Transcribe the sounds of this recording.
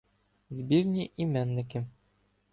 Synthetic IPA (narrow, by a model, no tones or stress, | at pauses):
zbiɾnʲiʔimænːɘ̆kɘ̆m